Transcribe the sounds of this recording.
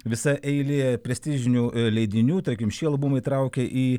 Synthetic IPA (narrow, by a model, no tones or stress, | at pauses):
ʋʲɪsɐʔɛɪlʲeːpʲɾʲɛsʲt̪ʲɪʒʲɪnʲuːlʲɛɪd̪ʲɪnʲuːt̪ɐɾʲkʲɪmʃʲiːɐlˠbumɐɪit̪ɾɐʊkʲɛʔiː